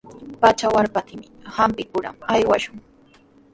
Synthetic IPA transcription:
pat͡ʃawaɾpat̪ɪmɪhampɪkʊɾa̰majwaʃʊŋ

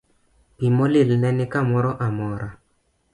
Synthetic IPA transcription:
pimɔlɪlnɛnɪkamɔɾɔʔamɔɾʔa

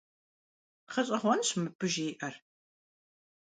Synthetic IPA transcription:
χɐɕʼɐʁʷɔnɕmɨpɨʒiːʔɐr

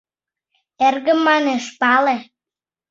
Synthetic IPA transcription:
erɣə̆mːɑneʃpɑle

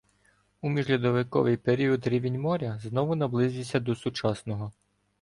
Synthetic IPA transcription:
umʲiʒlʲɐd̪ɔʋɪkɔ̰ʋɪjpeɾʲiɔd̪ɾʲiʋʲɪnʲmɔɾʲɐznɔʋʊnɐblˠɪzʲisʲɐd̪ɔsʊt͡ʃɑsnɔɦɔ

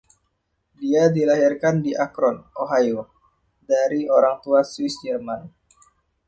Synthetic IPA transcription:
diadilaɦirkandiʔakɾɔnʔoɦajo | daɾioɾaŋt̪uaswɪsd͡ʒɛrman

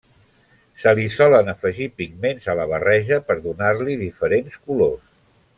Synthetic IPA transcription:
səlisɔlənəfəʒipiɡmenzələβ̞ərɛʒəpəɾðunaɾliðifəɾenskulos

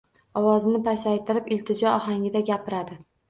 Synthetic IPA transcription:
ɒwɒzɪnɪpʰasajt̪ʰɪɾɪpɪlt̪ʰɪd͡ʒɒɒɦaŋʲɪd̪aɡʲapʰɪɾad̪ɪ

